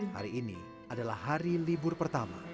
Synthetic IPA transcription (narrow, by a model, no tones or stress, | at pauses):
ha̰ɾiːnḭ | adalahːaɾilibʊrpərt̪ama̰